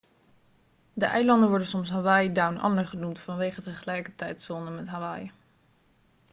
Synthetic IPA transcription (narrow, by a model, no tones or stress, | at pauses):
dəʔɛjlɑndənʋɔɹdənsɔmsɦaʋaːjdawnʔɑ̰ndəɹχənumtfɑnʋejχətəχəlɛjkətɛjtsɔndəmɛtɦaʋaj